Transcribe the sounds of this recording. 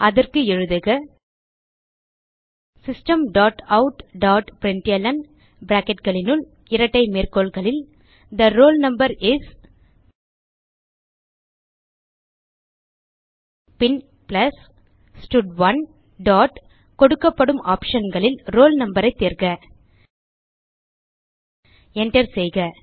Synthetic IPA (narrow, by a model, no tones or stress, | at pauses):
ʔɐðɐrkɯɛɻɯðɐɣɐ | sɪsʈɐmɖaːʈɐʊʈɖaːʈpɪɾɪnʈɪjɐlɐn | bɪɾaːkɛʈɡɐɭɪnɯl | ɪɾɐʈːɐɪmeːrkoːlɣɐɭɪl | d̪ɐɾoːlnɐmbɐɾɪs | pɪn | plɐs | sʈʊɖʋɐn | ɖaːʈ | kɔɽɯkːɐpːɐɽɯmaːpʂɐnɡɐɭɪlɾoːlnɐmbɐɾɐɪt̪ːeːɾkɐ | ɛɳʈɐɾsɛjɣɐ